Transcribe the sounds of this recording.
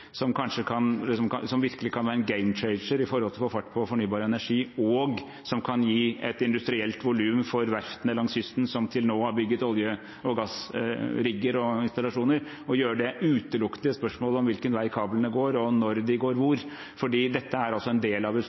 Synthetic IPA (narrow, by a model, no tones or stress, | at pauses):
sɔmkʰɑnʂəkʰɑnlɪs̬ɔmkɑsɔmʋɪɾkəlɪkʰɑnʋæːɾənɡæɪmt͡ʃɛɪnʂəɾɪfɔɾhɔlt̪ʰɪlfɔfɑʈːpʰɔfɔɳyːbɑːɾəɛnæʂiːɔɡ | sɔmkʰɑnjiːɛt̪ɪnd̪ʉst̪ɾɪɛlt̪ʋʊlʉːmfɔɾʋæɾft̪ənəlɑŋshʏst̪n̩sɔmt̪ʰɪlnoːhɑɾbʏɡːət̪ɔljə | ɔɡɑsɾɪɡːəɾɔɪnst̪ɑlɑʂuːnəɾ | ɔjøːɾəɖɛʔʉːt̪əlʊkt̪ɪəspœʂmoːləɔmʋɪlkənʋæɪkʰɑːblənəɡoːɾɔnɔɾd̪ɪɡoːɾʋʊɾ | fɔɖiːd̪ɛt̪ːəæɾɑlsɔɛnd̪eːlɑʋə